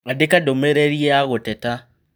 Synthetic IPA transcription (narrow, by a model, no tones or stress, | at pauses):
adekadomeɾeɾieaɣotɛta